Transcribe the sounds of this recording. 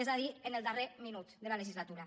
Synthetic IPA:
ezaðienelˠd̪areminut̪d̪elaleʒizlat̪uɾa

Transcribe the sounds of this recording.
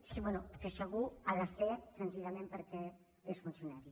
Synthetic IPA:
sibwɛnukəsəɣ̞uaðəfesənziʎamẽmpəɾkɛ | esfunsjunaɾi

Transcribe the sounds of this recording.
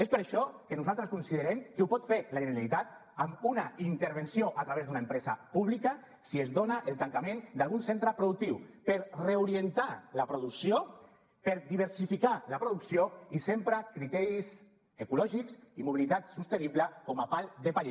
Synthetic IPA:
espəɾaʃɔkenuzalˠt̪ɾəskunsiðəɾemkeupɔt̪feɾlaʒeneɾalit̪at̪ | amunaint̪eɾβensioʔat̪ɾaβezd̪unaempɾɛza̰puβlika | siezðonaʔelˠt̪aŋkamẽnd̪alˠɣunsent̪ɾəpɾoðuk̚t̪iwpeɾreuɾient̪alapɾuðuksio | peɾd̪iβ̞eɾsifikalapɾuðuksioisempɾakɾit̪ɛɾiz | ekulɔʒikzimuβilit̪at̪sust̪eniβləkɔmapalˠd̪epaʎe

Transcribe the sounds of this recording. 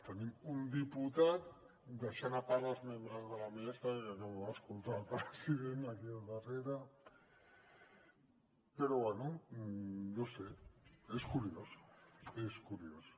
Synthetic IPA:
t̪animund̪iput̪at̪ | d̪aʃanaparazmembɾazðalamiest̪aanoaskolt̪apaɾasiɾenakiaðareɾa | peɾoβweno | d̪oseeskuɾioseskuɾios

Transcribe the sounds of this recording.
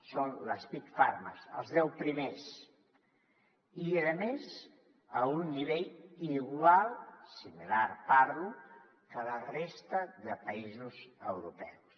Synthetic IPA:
sonləspikfaɾmə̰sə̰lˠzðɛwpɾimes | iəðəmez | əunːiβeʎiɣwalˠsimilaɾpaɾlu | kələrest̪əðəpəizuzə̰wɾupɛws

